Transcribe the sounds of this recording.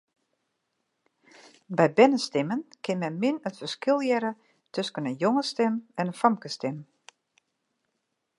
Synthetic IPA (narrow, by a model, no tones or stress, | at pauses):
bɛjbɛnəstɪmənkʰɪnmɛnmɪnətfərskɪlˠjɛɾə | tʰøskənənjoŋəstɛmɛnənfamkəstɪm